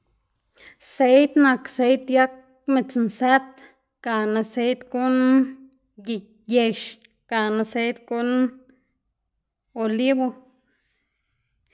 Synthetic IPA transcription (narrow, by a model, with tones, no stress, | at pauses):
se˧˦jt̪na˨kse˧˦jt̪ja˦k̚ | mi˧t͡snsæ˦t̪ | ɡ̥a˨na˧se˧jt̪ɡu˦n | ɡi˨ | je˧ʃ | ka˨na˧se˧˦jt̪ɡu˧˦n | o˨li˦bo˧